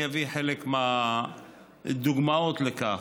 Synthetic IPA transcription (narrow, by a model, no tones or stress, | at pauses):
javiħelekma | d̪uɡmaot̪leka